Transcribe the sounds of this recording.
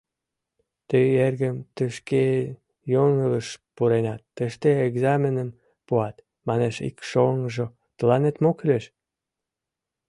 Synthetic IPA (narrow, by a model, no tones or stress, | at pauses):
t̪øerɣəmt̪əʃke | joŋələʃpuɾenɑt̪ːəʃt̪eeɡzɑmʲenən | puɑt̪ | mɑneʃḭkʃoŋʒo | t̪əlɑnet̪mokyleʃ